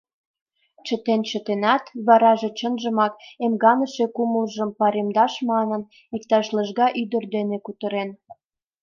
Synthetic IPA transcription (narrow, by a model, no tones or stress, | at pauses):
t͡ɕət̪ent͡ɕət̪enɑt̪βɑɾɑʒet͡ɕənʒəmɑk̚emɡɑnəʃekuməlʒəmpɑɾemd̪ɑʃmɑnən | ik̚t̪ɑʃləʒɣɑʔyd̪ərd̪enekut̪əɾen